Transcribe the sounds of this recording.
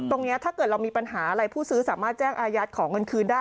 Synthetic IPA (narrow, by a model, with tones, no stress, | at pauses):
t̪o˧ŋni˦˥ɐt̪ʰaː˥kɤː˨˩t̪̚ɾa˧wmiː˧pa˧nhaː˩˦ʔa˧ɾa˧jpʰuː˥˩sɯː˦˥saː˩˦maː˥˩t̪̚t͡ɕɛː˥˩ŋʔaː˧ja˦˥t̪̚kʰɔː˩˦ŋɤ˧nkʰɯː˧ndaː˥˩